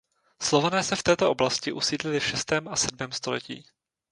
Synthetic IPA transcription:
slovanɛːsɛft̪ɛːt̪o̞ʔoblascɪʔusiːdlɪlɪfʃɛst̪ɛːmʔasɛd̚mɛːmst̪o̞lɛ̰cḭː

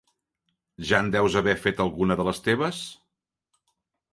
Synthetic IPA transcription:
ʒand̪ɛwzəβɛfet̪əlˠɣunəðələst̪eβəs

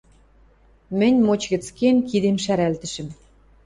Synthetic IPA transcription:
mɘ̆nʲmot͡ɕɣʲɘ̆t͡skʲenkid̪emʃæɾælt̪ɘ̆ʃɘ̆m

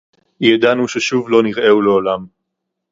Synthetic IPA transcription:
jad̪anuʃeʃuvlo̞niʁʔe̞uleolam

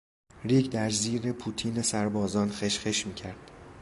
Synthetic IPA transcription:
ɾiːkd̪æɾziːɾe̞pʰut̪ʰiːnesæɾbɒːzɒːnxeʃxeʃmiːcʰæɾd̪̥

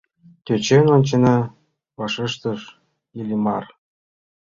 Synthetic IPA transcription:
t̪ʲøt͡ɕenonʲt͡ɕĕnɑ | βɑʃə̆ʃt̪ɤ̆ʃ | ilʲimɑr

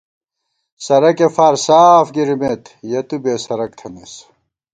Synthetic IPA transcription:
sɐɾɐkefaːɾsaːfɡiɾmet̪jɐt̪ubeːsɐɾɐk̚t̪ʰɐnes

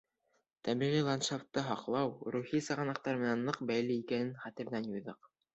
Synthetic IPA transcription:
t̪æmiʁilˠɑnʃaft̪ːɤɦɑqlˠɑwɾuχisɑ̆ʁɑnɑq̚t̪ɑɾmɘ̆nænːɤqbæjlɘikænɘnχæt̪ɘ̆ɾðænjujðɤq

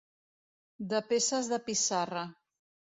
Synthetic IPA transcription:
d̪əpesəzðəpisarə

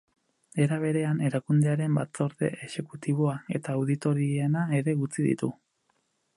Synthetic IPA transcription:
e̞ɾaβ̞e̞ɾe̞ane̞ɾakund̪e̞aɾe̞mbat͡so̞ɾðe̞̰ʔeʃe̞kut̪iβ̞o̞ae̞t̪aːwðit̪o̞ɾienae̞ɾe̞ɣut͡siðḭt̪u

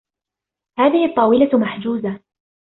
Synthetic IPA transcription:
haːðɪhɪt̪ˤːɑːwɪlamaħd͡ʒuːza

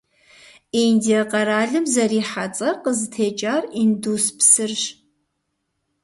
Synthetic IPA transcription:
endiɐqɐɾaːɮɨmzɐriːħat͡sʼɐrqəzɨtʰeːt͡ʃʼaːrinduspsɨrʒ

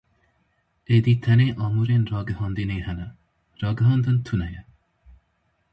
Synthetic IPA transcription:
eːd̪iːt̪ʰɐneːʔɑːmuːɾeːnrɑːɡɨhɑːnd̪ineːhɛnɐ | ɾɑːɡəɦɑːnd̪ɨnt̪ʰunɛjɛ

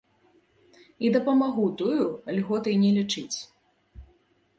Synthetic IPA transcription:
id̪ɐpɐmaɣut̪ujualʲɣɔt̪ɨjnʲɛlʲit͡ʂɨt͡sʲ

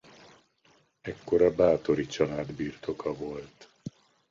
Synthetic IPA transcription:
ɛkːo̞ɾɒbaːt̪o̞ɾit͡ʃɒlaːd̪biːrt̪ʰo̞kɒvo̞lt̪

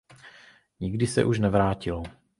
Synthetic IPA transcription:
ɲɪɡdɪsɛ̰ʔuʃnɛvɾaːcɪlo

